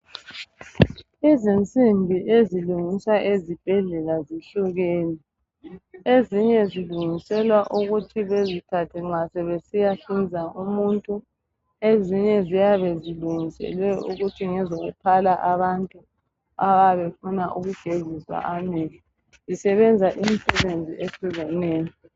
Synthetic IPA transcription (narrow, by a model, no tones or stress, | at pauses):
izint͡sʼimbʱiʔeziluŋiswaʔezib̥ʱɛɮɛlaziɬuɣeːni | eziɲɛziluŋisɛlwaʔuɣutʰiβezikʰatʰɛŋ͡ǁasɛβesijaɬind͡zʱaumuntʼu | eziɲɛzijaβɛziluŋisɛ̰lwɛṵɣutʰiŋɛzoɣṵpʰalaʔaβantʼu | aβaβefunaʔuɣuɡ̥ʱeziswa̰ʔameli | zisɛβɛnd͡zʱaʔimsɛβend͡zʱiʔeɬuɣɛneːjɔ